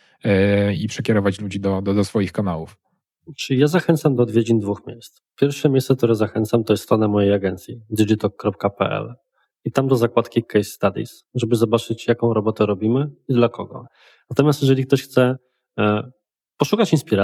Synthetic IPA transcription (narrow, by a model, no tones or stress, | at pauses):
ipʂɛkʲɛɾɔvat͡ɕlud͡ʑid̪ɔd̪ɔd̪ɔsfɔjixkanawuf | t͡ʂɘijazaxɛnt̪samd̪ɔːd̪vʲjed͡ʑind̪vuxmʲjḛjst̪spʲjɛɾfʂɛmʲejssɛk̚t̪uɾɛzaxɛnt̪samt̪ɔjɛst̪t̪ɾɔnamɔjejaɡɛnt̪sʲjid̪ɘʐit̪ɔkːɾɔp̚kapɛ̰ʔɛ̰l | it̪amd̪ɔzakwat̪kʲikɛjst̪ad̪ʲḭs | ʐɛbɘzɔbat͡ʂɘt͡ɕjakɔ̃w̃ɾɔbɔt̪ɛɾɔbʲimɘid̪lakɔɡɔ̰ | nat̪ɔmʲjast̪jɛʐɛlʲikt̪ɔɕxt̪sɛ | pɔʂukat͡ɕinspʲiɾa